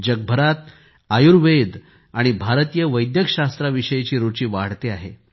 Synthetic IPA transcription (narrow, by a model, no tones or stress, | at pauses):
d͡ʑəɡ̚bʱəɾat̪ | ajuɾʋed̪ | aɽ̃ibʱaɾt̪ijəʋəjd̪jəkɕast̪ɾaʋiɕəjet͡ɕiːɾut͡ɕiːʋaɽ̤t̪eaɦḛ